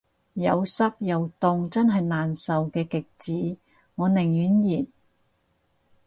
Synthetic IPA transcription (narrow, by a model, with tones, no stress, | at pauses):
jɐ˨˧wsɐ˥p̚jɐ˨˧wt̪ʊ˧ŋt͡sɐ˥nɦɐ˨jnaː˨nsɐ˨wkɛː˧kɪ˨k̚t͡siː˨˥ | ŋɔː˨˧nɪ˨˩ŋjyː˨˥njiː˨˩n